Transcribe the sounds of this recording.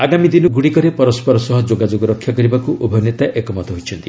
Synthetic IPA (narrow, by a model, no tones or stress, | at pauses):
aɡamid̪inɔɡuɽikɔɾepɔɾɔspɔɾɔsɔɦɔd͡ʒoɡad͡ʒoɡɔɾɔkʰːjakɔɾibakuʔubʱɔnjet̪aʔekɔmɔt̪ɔɦojt͡ʃʰɔnt̪i